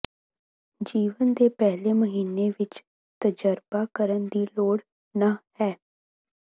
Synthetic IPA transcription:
d͡ʒiːʋənd̪eːpɛːleːməɦiːnːeːʋɪt͡ʃ | t̪əd͡ʒəɾbaːkəɾənd̪iːloːɽ | naːhɛː

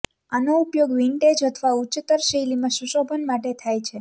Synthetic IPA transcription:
anoupjoɡʋiɳʈed͡ʒət̪ʰʋaut͡ʃːət̪əɾʃəjlimãʃuʃobʱənmaʈet̪ʰajt͡ʃʰe

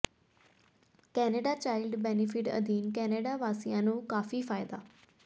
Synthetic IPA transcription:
kɛːneːɖat͡ɕaːɪlɖbɛːnɪfɪʈɐ̰d̪iːnkɛːneːɖaʋaːsijãːnũːkaːfifaːɪd̪aː

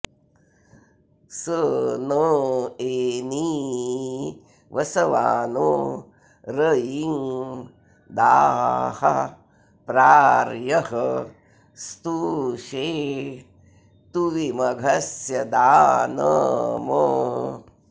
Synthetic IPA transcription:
sənəeːni | ʋʔɐsɐʋa̰ːnoː | ɾəjiŋ | d̪aːhɐ̰ | pɾaːɾjɐɦɐ | st̪uʃeː | t̪uʋimɐɡʱɐsjɐd̪aːnɐ̰mə

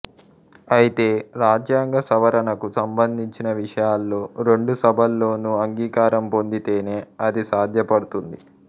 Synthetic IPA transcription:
ɐjit̪e̞ːɾaːd͡ʒjaːŋɡɐsɐʋɐɾɐnɐkusɐmbɐnd̪ʱiɲt͡ʃinɐʋiʂɐjaːlːo̞ːɾe̞ɳɖusɐbʱɐlːo̞ːnuɐŋɡiːkaːɾɐmpo̞nd̪it̪e̞ːne̞ːɐd̪isaːd̪ʱjɐpɐɽut̪und̪i

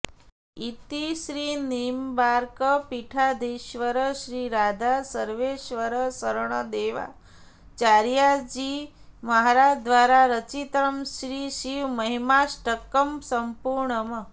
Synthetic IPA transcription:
it̪iʃɾiːnimbaɾkəpiʈʰad̪ʱiʃʋəɾəɕɾiːɾad̪ʱasəɾʋeʃʋəɾəsəɾɳəd̪eːʋa̰ | t͡ʃaɾjad͡ʑiː | məɦaɾad͡ʒd̪ʋaːɾaɾət͡ʃit̪ɾəmʃɾiːʃiʋməɦimasʈəkːəmsəmpuɾɳəmə

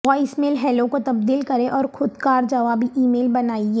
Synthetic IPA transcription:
ɔːɪsmeːlɦɛːlokot̪ɐbd̪iːlkɐɾẽʔɔːɾxʊd̪kaːɾd͡ʒɐʋaːbʱiʔiːmeːlbɐnaːieː

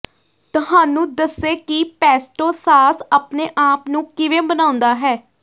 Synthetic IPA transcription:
t̪ʊɦaːnũːd̪əsːeːkɪpɛːsʈoːsaːsaːpneːʔaːpnũːkɪʋeːbənaːʊ̃nd̪aːɦɛː

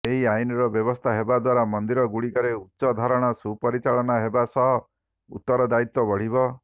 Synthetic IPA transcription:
eɦiajinɔɾɔbjɔβɔst̪ʰaɦebad̪waɾamɔnd̪iɾɔɡuɽikɔɾeutːsɔd̪ʱaɾɔɽ̃ɔsupɔɾit͡ʃaɭɔnaɦebasɔɦɔ | ṵt̪ːɔɾɔd̪ait̪wɔbɔɽ̤ibɔ

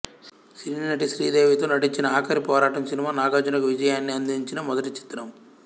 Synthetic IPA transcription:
ʃɾiːnnɐʈiʃɾiːd̪eːʋit̪oːnɐʈiɲt͡ʃinɐaːkʰɐɾipɔːɾaːʈɐmsinimaːnaːɡaːd͡ʒɐnɐkuʋid͡ʒɐjaːnːiɐnd̪ʱiɲt͡ʃinɐmɔd̪ɐʈit͡ʃi̥t̪ɾɐm

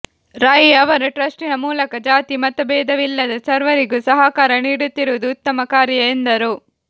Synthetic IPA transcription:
ɾaːjiɐʋɐɾuʈɾɐʂʈinɐmuːlɐkɐd͡ʒaːt̪imɐt̪ɐbɛːd̪ɐʋilːɐd̪ɐsɐɾʋɐɾiɡusɐɦɐkaːɾɐniːɽut̪ːiɾuʋɐd̪uːt̪ːɐmɐkaːɾjɐend̪ɐɾu

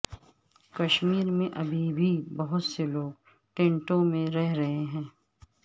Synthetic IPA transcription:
kɐʃmiːɾmẽʔɐbʱibʱibɐɦʊt̪seloːɡ | ʈẽːɳʈõmẽɾɛɦɾɐɦeɦɛ̃ː

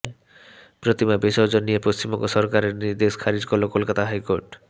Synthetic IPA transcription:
pɾot̪imabeʃɔɾd͡ʑonːijepost͡ɕimɔŋɡoʃɔɾkaɾeɾniɾd̪eʃkʰaɾid͡ʑkoɾlokolkat̪aɦajkoɾʈ

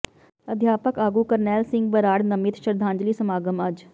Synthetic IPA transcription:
əd̪ʱjaːpəkaːɡuːkəɾnɛːlsɪ̃ŋɡ̚bəɾaːɽnəmɪt̪ʃəɾd̪ʱãːnd͡ʒliːsəmaːɡəmad͡ʒ

